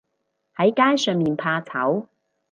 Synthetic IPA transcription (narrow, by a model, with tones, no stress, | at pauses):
hɐ˨˥jkaː˥jsœː˨ŋmiː˨npʰaː˧t͡sʰɐ̰˨˥w